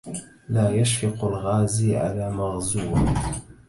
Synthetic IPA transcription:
laːjaʃkiqʷʊlʁɑːziʕa̰laːmaʁzuwa

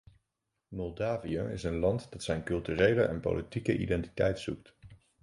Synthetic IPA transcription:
mɔlˠdaːvijəɪ̰sənlɑntdɑtsɛjnkɵlˠtyːrejləʔɛ̰npo̰wlitikəʔḭdɛnti̥tɛ̰jtsuk̚t

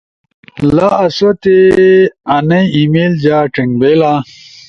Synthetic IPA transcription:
laːsot̪e | ɐnɐjimeld͡ʑaːʈiŋbela

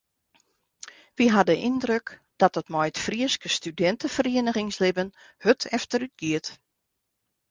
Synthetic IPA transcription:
ʋiɦadəʔindrøk | d̥ɔtətmɔjətfriəskəstydɛntəfəriənəχɪŋslɪbən | høtʰɛftəɾyt̚ɡiət

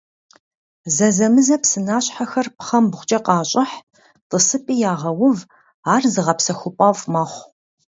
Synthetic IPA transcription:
zɐzɐmɨzɐpsɨnaːɕħaxɐrpχɐmbʁʷt͡ʃʼɐqɑːɕʼɪħ | tʼəsɨpʼiːjaːʁɐwʊv | aːrzɨʁɐpsɐxʷʊpʼɑvmɐχʷ

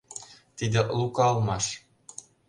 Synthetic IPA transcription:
tʲidʲɘ̆lˠukɑlˠmɑʂ

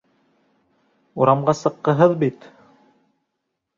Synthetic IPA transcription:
uɾɑmɢɑsɤ̆qːɤ̆ɦɤðbit̪

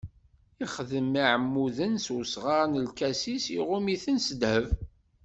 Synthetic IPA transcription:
iχəðəmaʕəmːuðənsusʁɑɾnəlkæsisiʁʊmiθənsəd̪həv

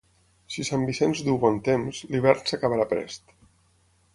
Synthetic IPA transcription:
sisambisɛnzd̪uwβɔnt̪emzliβɛɾnsakaβaɾapɾɛ̰st̪

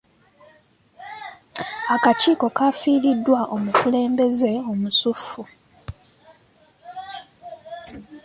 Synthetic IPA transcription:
akaciːko̞kafiːɾidːwaʔo̞mukule̞ːmbe̞ze̞o̞musufːu

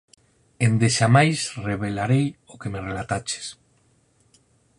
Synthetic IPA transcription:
end̪eʃamajsreβelaɾejokemerelat̪at͡ʃe̥s

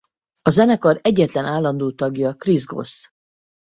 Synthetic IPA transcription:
ɒzɛnɛkɒɾɛɟːɛt̪lɛnʔaːlːɒnd̪oːt̪ɒɡjɒkrizɡo̞̰s

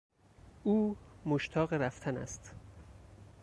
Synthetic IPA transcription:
ʔuːmoʃt̪ʰɒːɣeɾæft̪ʰænæ̰st̪

